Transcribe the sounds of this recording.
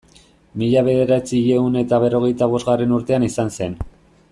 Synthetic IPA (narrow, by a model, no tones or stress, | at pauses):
miʎaβe̞ðe̞ɾat͡sieune̞t̪aβe̞ro̞ɣe̞jt̪aβ̞o̞zɣare̞nuɾt̪e̞anisanse̞n